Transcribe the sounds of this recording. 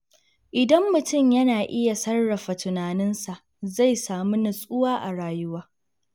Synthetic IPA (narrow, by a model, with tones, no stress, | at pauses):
ʔɪ˨dɐ˦mːʊ˨tʊ˦˨mjɐ˦naː˨ʔɪ˦ja˨sɐ˦rːɐ˨ɸa˨tʊ˨naː˨nɪ˦nsa˨ʔ | za˦˨jsaː˨mu˦nɐ˨sʼʊ˦waː˦ʔa̰˨ɽaː˨jʊ˦waː˦